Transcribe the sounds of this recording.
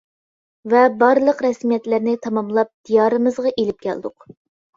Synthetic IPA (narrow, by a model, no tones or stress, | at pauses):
vɛbɑɾlˠəqɾɛsmijɛt̪lɪɾnɪt̪ʰɑmɑmlˠɑp̚d̪̥ijɑːɾɨmɨzʁɑʔelɪp̚kʲʰæ̰ld̪ʊq